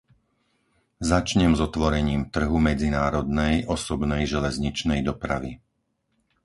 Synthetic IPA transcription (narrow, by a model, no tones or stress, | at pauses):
zat͡ʃɲɛmzɔt̪ʋɔɾɛɲiːmt̪r̩ɦumɛd͡zinaːɾɔd̪nɛjʔɔsɔbnɛjʒɛlɛzɲit͡ʃnɛjd̪ɔpɾa̰ʋḭ